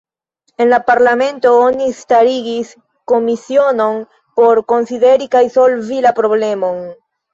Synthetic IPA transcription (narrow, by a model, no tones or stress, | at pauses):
e̞nlapaɾlame̞nto̞onistaɾiɡis | ko̞misio̞no̞n | po̞ɾko̞nside̞ɾikajso̞lvilapɾo̞ble̞mo̞n